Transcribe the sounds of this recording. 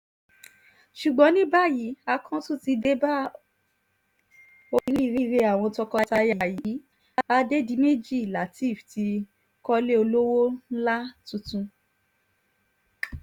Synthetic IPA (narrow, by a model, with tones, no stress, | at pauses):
ʃu˨ɡ͡bɔ̃˨˦nĩ˦ba˦˨ji˨˦a˧kʰɔ̃˦tũ˦˨ti˧de˦ba˦ | o˧ɾi˦˧ɾi˦˧ɾe˧a˨w̃ɔ̃˧tɔ˧kɔ˧ta˧ja˨a˨ji˨˦˧ | a˧de˦di˧˦me˦d͡ʒi˦˨la˨ti˦˨fti˧ | kɔ˦le˦o˧lo˦wo˦n̩˦la˦tũ˧tũ˧